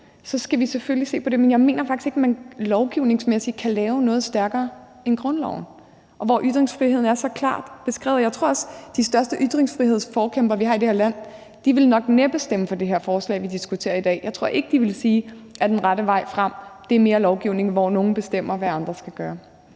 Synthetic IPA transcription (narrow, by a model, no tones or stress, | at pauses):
sɒ̽sɡ̥æʋiseføllise̝̰ːpʰɒ̽ɾ̥e̝menjɑ̈ɪme̝̰ːnɐfɑɡ̥ise̝ɡ̥mænlɒʊɡ̥iʊne̝ŋsmesi̥kʰælɛːʊnɔ̽ːð̞̩ˠsd̥æɐɡ̥ɐː | enɡ̥ʁɔ̽nlɒʊ̰n̩ | ʔɒ̽ʋɒʔyd̥ʁeŋsfʁihe̝ð̞̰ˠn̩æɐsɒ̽kʰlɑ̰̈ːd̥b̥e̝sɡ̥ʁɛ̰ːʊjɑ̈ɪt͡sʰo̝ɐɒ̽səd̥isd̥ɶɐsd̥əʔyd̥ʁeŋsfʁiɦe̝ð̞̰ˠsfɒːkʰemb̥ɐʋiɦɑ̈ide̝heɐ̰læn̰ | d̥iʋe̝lnɒ̽ɡ̥neb̥əsd̥em̰əfɒ̽d̥e̝ɦeɐ̰fɒːslɛ̰ɪ̰ʋid̥isɡ̥ut͡sʰe̝̰ːɐid̥ɛ̰ːjɑ̈ɪt͡sʰʁo̝ɐ̰e̝ɡ̥əd̥iʋe̝lsiːʔæd̥enʁɑɾəʋɑ̈ɪ̰fʁɑ̈m̰d̥e̝æɐme̝ːɐlɒʊɡ̥iʊ̰ne̝ŋʋɒno̝ːn̩b̥e̝sd̥em̰ɐʋæɑ̈nd̥ʁɐsɡ̥æɡ̥ɶːɐ